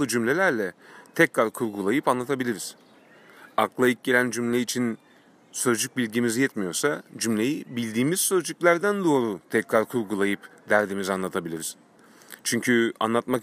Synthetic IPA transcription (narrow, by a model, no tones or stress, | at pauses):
lˠɯd͡ʒymlʲe̞lʲæɾlʲɛt̪ʰɛcɾaɾkʰuɾɡulˠajɯpanlˠat̪ʰabilʲiɾiz̥ | aklˠaik̚ɟe̞lʲænd͡ʒymlʲɛit͡ʃʰin | sø̞zd͡ʒyc̚bilʲɟimizjɛt̪mijo̞ɾsad͡ʒymlʲe̞jibilʲd̪iːmiz̥sø̞zd͡ʒycʲlʲæɾd̪ænd̪o̞ːɾut̪ʰɛcɾaɾkʰuɾɡulˠajɯpd̪æɾd̪imizanlˠat̪ʰabilʲiɾiz̥ | t͡ʃʰyɲcʰya̰nlˠat̪mak